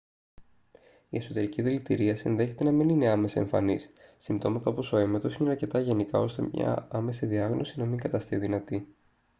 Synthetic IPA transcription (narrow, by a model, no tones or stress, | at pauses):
ie̞so̞t̪e̞ɾiciðilit̪iɾiɐsinðe̞çe̞t̪e̞nɐminineɐme̞sɐe̞ɱfɐ̰nisːimt̪o̞mɐt̪ɐopo̞so̞e̞met̪o̞sineɐɾce̞t̪ɐʝe̞nikɐ̰o̞st̪e̞̰mɲɐ̰ɐme̞siðiɐɣno̞sinɐmiŋɡɐt̪ɐst̪iðinɐt̪i